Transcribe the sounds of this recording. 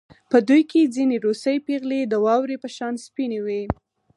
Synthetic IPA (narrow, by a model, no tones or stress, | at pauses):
pəd̪ujked͡zineɾosəjpeɣled̪əwɑwɾepəʃɑnspinewe